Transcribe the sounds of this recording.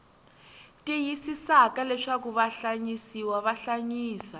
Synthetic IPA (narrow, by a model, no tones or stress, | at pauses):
tʼijisisakalɛʂakuβaɬaɲisiwaβaɬaɲiːsa